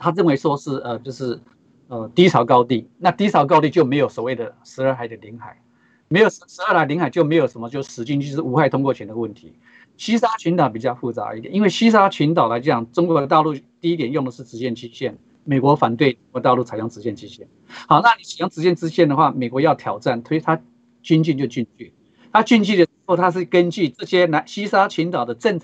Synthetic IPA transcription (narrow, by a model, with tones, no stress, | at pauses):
t̪ʰa˥ɻə˥˩nwe˧˥ɪʂwɔ˥ʂɻ̩˥˩ə˨˩t͡ɕjo˥˧ʊʂɻ̩˥˩ | ə˧t̪i˥t͡sʰɑ˨˩ʊkɑ˥ʊt̪i˥˨˩na˥˧t̪i˥t͡sʰɑ˨˩ʊk̬ɑ˥ʊt̪i˥˧t͡ɕjo˥˩ʊme˧˥ɪjo˨˧ʊswɔ˨˩we˥˩ɪd̪ə˩ʂɻ̩˧˥ə˞˥˩xa˨˧ɪd̪ə˨˩li˧˥ŋxa˨˩˦ | me˧˥ɪjo˨˩ʊʂʂɻ̩˧˥ə˞˥˧a˧˥ɪli˧˥ŋxa˨˩ɪt͡ɕjo˥˩ʊme˧˥ɪjo˨˩ʊʂə˧˥nmə˧t͡ɕjo˥˧ʂ̩˧ʂɻ̩˧˥t͡ɕi˥nt͡ɕʰʂɻ̩˥˩u˧˥xwa˥˩ɪt̪ʰʊ˥ŋkwɔ˥˧t͡ɕʰɥɛ˧˥ndə˧˦wə˥˩nt̪ʰḭ˧˦ | ɕi˥ʂa˥t͡ɕʰy˧˥nt̪ɑ˨˩ʊp̬i˨˩t͡ɕjɑ˥˧ʊfu˥˩t͡sa̰˧˥˧t̪jni˥nwe˥˩ɕi˥ʂ̬a˥t͡ɕʰy˧˥nt̪̬ɑ˨˩ʊla˧˥ɪt͡ɕjɑ˨˩˦ŋʈ͡ʂʊ˥ŋkwɔ˧t̪̬a˥˧ʊlu˥˧t̪i˥˧i˥t̪̬jɛ˨˩njʊ˥˩ŋd̪ə˩ʂɻ̩˥˩ʈ͡ʂɻ̩˧˥ɕjɛ˥˩nt͡ɕi˥ɕjɛ˥˩n | me˨˩ɪkwɔ˧˥fa˨˩nt̪we˥˩ɪʈ͡ʂŋkwɔ˧˥t̪ɑ˥˧lu˥˩t͡sʰa˧˩ɪjʊ˧˥ŋʈ͡ʂɻ̩˧˥ɕjɛ˥˩nʈ͡ʂi˥ɕjɛ̰˥˩n | xɑ˨˩ʊna˥˩ni˨˥t͡s̩ʰ˨˩jɑ˥ŋʈ͡ʂɻ̩˧˥jɛ˥˩nʈ͡ʂɻ̩˥ɕɛ˥˩nd̪ə˩xwa˥˩me˨˩ɪkwɔ˧˥jɑ˥˩ʊt̪ʰjɑ˨˩ʊʈ͡ʂa˥˩nt̪ʰe˥ɪt̪ʰa˥ | t͡ɕy˥nt͡ɕy˥˧nt͡ɕjo˥˧ʊt͡ɕy˥˧nt͡ɕy˥˩ | t̪ʰa˥t͡ɕy˥˧nt͡ɕy˥˩d̪ə˩ʂ̩˥xo˥˩ʊt̪ʰa˥ʂ̬ɻ̩˥˩kə˥nt͡ɕy˥˩ʈ͡ʂɤ˥˩ɕjɛ˥na˧˥nɕi˥sa˥t͡ɕʰy˧˥nt̪ɑ˨˩ʊd̪ə˦ʈ͡ʂə˥˩ŋʰ